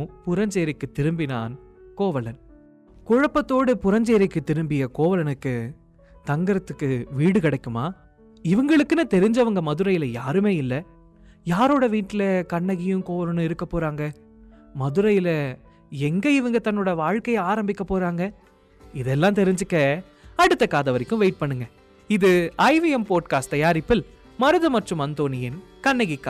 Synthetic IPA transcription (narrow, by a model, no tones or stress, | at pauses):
pʊɾɐɲd͡ʒeːɾɪkːɯt̪ːɪɾɯmbɪna̰ːnkoːʋɐlɐn | kʊɻɐpːɐt̪ːoːɽɯpʊɾɐɲd͡ʒeːɾɪkːɯt̪ːɪɾɯmbɪjɐkoːʋɐlɐnɯkːɯ | t̪ɐŋɡɐɾɐt̪ːɯkːɯʋiːɽɯkɪɽɐɪkːɯmaː | ɪʋɯŋɡɐɭɯkːɯnɯt̪ɛɾɪɲd͡ʒɐʋɐŋɡɐmɐðɯɾɐjɪlɐjaːɾɯmeːɪlːɐ | jaːɾoːɽɐʋiːʈːɪlɐkɐɳːɐɣɪjɯ̃koːɾɐnɯ̃ɪɾɯkːɐpːoːɾaːŋɡɐ | mɐðɯɾɐjɪlɐ | ɛŋɡɐɪʋɐŋɡɐt̪ɐnːoːɽɐʋaːɻkɐjɐaːɾɐmbɪkːɐpːoːɾaːŋɡɐ | ɪðɛlːãːt̪ɛɾɪɲd͡ʒɯkːɐ | ɐɽɯt̪ːɐkaːðɐʋɐɾɪkːɯ̃ʋeɪʈ̚pɐɳːɯŋɡɐ | ɪðɯɐɪʋɪɛmpoːʈ̚kaːsʈt̪ɐjaːɾɪpːɪl | mɐɾɯðɯmɐʈrɯmɐnt̪oːnɪjɪn | kɐɳːɐɣɪkːaː